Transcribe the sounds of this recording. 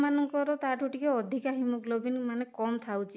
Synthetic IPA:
manɔŋkɔɾɔt̪aʈʰuʈikeɔd̪ʱikaɦimɔklobinmanekɔmt̪ʰawt͡ʃʰi

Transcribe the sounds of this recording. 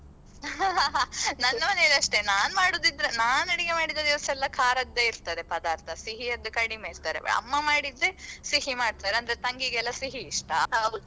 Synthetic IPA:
ɦɦɦnɐnːɐmɐneliɐʂʈenaːnmaːɽoːd̪id̪ːɾenaːniɽiɡemaːɽid̪ɐd̪iʋɐsɐɛlːɐkʰaːɾɐɡ̚d̪eiɾt̪ɐd̪epɐd̪aːɾt̪ʰɐsiɦiɐd̪ːukɐɽimeːiɾt̪aɾḛɐ̰ɐ̰mːɐmaːɽid̪ːesiɦimaːɖ̚t̪aːɾeɐnd̪ɐɾet̪ɐŋɡiɡɛlːɐsiɦiːʂʈɐ

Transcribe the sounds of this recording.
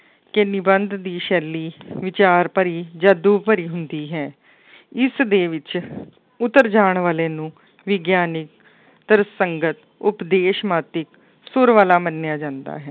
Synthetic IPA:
kɪnɪbənd̪d̪iːʃɛːlːiːʋɪt͡ʃaːɾpəɾiːd͡ʒaːd̪uːpəɾiːɦʊnd̪iːɦɛː | ɪsd̪eːʋɪt͡ʃ | ʊt̪ːəɾd͡ʒaːɳʋaːleːnũː | ʋɪɡjaːnɪk̚ | t̪əɾsəŋɡət̪ | ʊpd̪eːʃmaːt̪ɪk | sʊɾʋaːlaːmənːjaːd͡ʒãːnd̪a̰ːɦɛː

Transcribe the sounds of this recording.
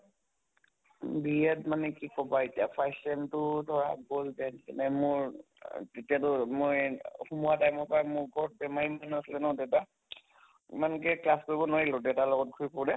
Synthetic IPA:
bijɛtmanɛkikɔbaetijapʰajsɛmtʊdʱɔɹaɡoldɛntɛnɛmʊɹ | tetijatʊmojxumuatajmɔpajmʊɹɡʱɔɹɔt̚bɛmaɹimanɛaslɛnɔ̃dɛwta | imankɛklaskoɹibɔnoɹilɔdɛtalɔɡɔt̚kʰuipɔɹdɛ

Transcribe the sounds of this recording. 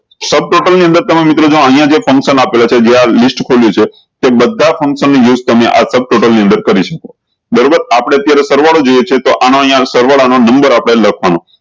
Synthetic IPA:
səb̚ʈoʈəlniə̃nd̪əɾt̪əmemit̪ɾod͡ʒoəɦĩjãd͡ʒefə̃ŋkʃənapelat͡ʃʰed͡ʒealisʈkʰoljut͡ʃʰe | t̪ebəd̪ʱafʰə̃ŋkʃənːijud͡ʒt̪əmeʔa̰səb̚ʈoʈəlniənd̪əɾkəɾiʃəko̥ | d̪əɾobəɾapɽ̃eət̪jaɾesəɾʋaɽod͡ʒojet͡ʃʰet̪oʔanõəɦjãsəɾʋaɭanonəmbəɾapɽ̃eləkʰʋanõ

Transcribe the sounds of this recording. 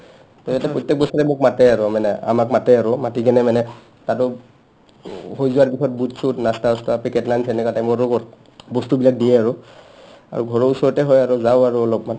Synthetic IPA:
tɔatɛpɹɔjtːɛk̚bɔstɔtɛmokmatɛaɹʊmanɛa̰makmatɛaɹʊmatikɛnɛmanɛ | tatʊ | hojzʊwaɹpisɔt̚butsutnastaɔstapikɛtlajnsɛnɛkatajmɔaɹɔɔ | bɔstubilak̚dijɛaɹʊ | a̰ɹuɡʱɔɹɔɹusɔɹɔtɛɦɔjaɹʊzaʊaɹuɔlɔpma

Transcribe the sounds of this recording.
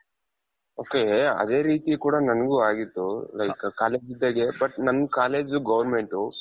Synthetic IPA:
oːkeɐ̰d̪e̞ːɾiːt̪ikuːɽanɐnɐɡuːaːɡit̪ːulɐjkkaːleːd͡ʒid̪ːɐɡebɐʈnɐnːkaːle̞ːd͡ʒuɡɐʋɐɾme̞ɳʈu

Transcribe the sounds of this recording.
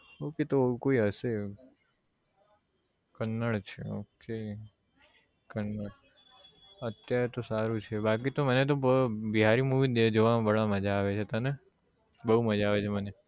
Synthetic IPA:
oket̪okoiɦəse | kənːəɭt͡ʃʰḛo̰ke | kənːəɭ | ət̪jaɾet̪osaɾũt͡ʃʰebakit̪omənet̪̬obəbiɦaɾimuʋid̪ed͡ʒoʋabəɭaməd͡ʒaːʋet͡ʃʰet̪əne | bəɦuməd͡ʒaːʋet͡ʃʰeməne

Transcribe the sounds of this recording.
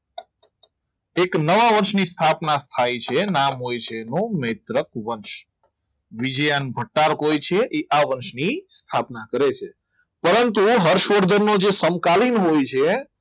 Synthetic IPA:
eknəʋaʋəɾʃnist̪ʰapnat̪ʰajt͡ʃʰenamɦojt͡ʃʰenõmet̪ɾəkʋəɾʃ | ʋid͡ʒəjanbʱəʈːaɾkojt͡ʃʰeʔeʔaʋəɾʃnist̪ʰapnakəɾet͡ʃʰe | pəɾənt̪uɦəɾʃʋəɾd̪ʱəɾnod͡ʒesəmkalinɦojt͡ʃʰe

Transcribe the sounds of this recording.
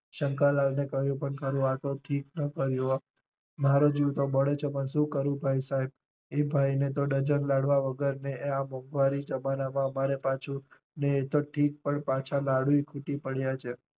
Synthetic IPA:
ʃəŋkalalnekəɦjũpəɳkəɾũat̪oʈʰiknəkəɾjo | maɾod͡ʒiwt̪oməɭet͡ʃʰepəɳʃũkəɾũbʱaisaɦib̚ | ebʱaijnet̪̬oɖəd͡ʒənlaɽʋaʋəɡəɾneeamɔ̃ŋɡʋaɾid͡ʒəmanamãmaɾepat͡ʃʰũ | neːt̪oʈʰik̚pəɳpat͡ʃʰalaɽuikʰuʈipəɽjat͡ʃʰe

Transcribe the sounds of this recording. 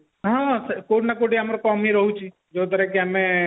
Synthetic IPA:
ɦãskoʈnakoʈiɦamɾokɔːmiɾəɦut͡ʃʰi | d͡ʒoːt̪̬əɾɛkeəmẽ

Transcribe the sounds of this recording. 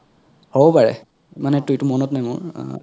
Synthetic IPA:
hobɔpaɹɛ̰ | manɛtujtumɔnɔtnajmʊ̰ɹ

